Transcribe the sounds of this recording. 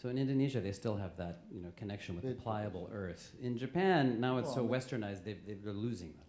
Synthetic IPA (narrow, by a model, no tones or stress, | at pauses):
soʊɨ̃nɪ̃ndoniʒɨðeɪstɪlˠəvðət̚jɨnoʊkʰɨnɛkʃɨ̃nwəððəpʰl̥aɪɨbl̩ˠɜ˞θ | ɪ̃nd͡ʒɨpʰæ̃nːaʊɨtsoʊwɛstə˞naɪzðeɪðeɪə˞lʉzɪ̃ŋðə̃m